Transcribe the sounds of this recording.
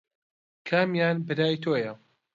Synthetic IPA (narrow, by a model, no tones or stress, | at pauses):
kʰaːmjaːnbɨɾaːjt̪ʰoːjɐ